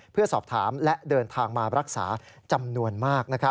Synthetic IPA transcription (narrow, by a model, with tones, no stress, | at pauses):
pʰɯ˥˩ɐsɔː˨˩p̚t̪ʰaː˩˦mlɛ˦˥ʔdɤː˧nt̪ʰaː˧ŋmaː˧ɾa˦˥k̚sa̰ː˩˦ | t͡ɕa˧mnu˧ənmaː˥˩k̚na˦˥kʰɾa˦